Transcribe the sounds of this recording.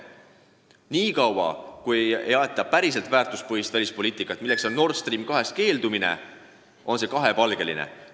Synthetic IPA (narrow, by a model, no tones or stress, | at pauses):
niːkɑwwɑ̰kujejɑet̪ːˑɑpæɾis̬e̞lt̪væːrt̪uspɤɦist̪vælʲispo̞liːt̪ːˑikːˑɑt̪milːe̞kso̞nːo̞rst̪riːmkɑɦe̞st̪ke̞ːld̪umine̞̰ | o̞nse̞kɑɦe̞pɑlɡ̥e̞lḭnḛ